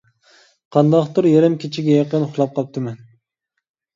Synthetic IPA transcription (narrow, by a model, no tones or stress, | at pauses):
qʰɑnd̪ɑχt̪ɨɾjeɾɛmkʲʰet͡ʃʰiɡʲɛjɑqənχʊχlˠɑp̚qʰɑp̚t̪ʰɨmɛn